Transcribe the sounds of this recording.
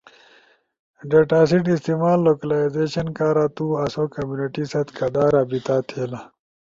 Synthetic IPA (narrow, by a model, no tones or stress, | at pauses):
ɖeʈaːsiʈist̪imaːlːoːkɐlaːizeːɕɐnkaːɾat̪uːɐsokɐmjuːniʈisɐt̪kɐd̪aːɾaːbit̪aːt̪ʰeːla